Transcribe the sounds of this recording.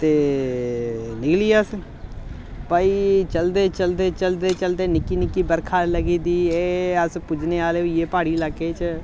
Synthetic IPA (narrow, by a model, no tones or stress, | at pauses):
t̪eː | nɪkliːas | paːit͡ʃəld̪eːt͡ʃəld̪eːt͡ʃəld̪eːt͡ʃəld̪eːnɪkːiːnɪkːiːbəɾkʰaːləɡiːd̪iːeːəspʊd͡ʒneːaːleːijeːpaːɽiːlakːeːt͡ʃ